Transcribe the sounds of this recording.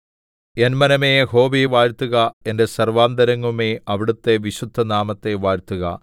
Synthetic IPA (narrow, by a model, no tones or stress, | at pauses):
e̞nmɐnɐmeːho̞ːbiʋaːɾt̪ːuɣɐe̞nde̞sɐrʋaːnd̪ɐɾɐŋːumeːɐʋiɽut̪ːe̞ʋiɕud̪ʱːɐnaːmɐt̪ːe̞ʋaːɾt̪ːuɣɐ̰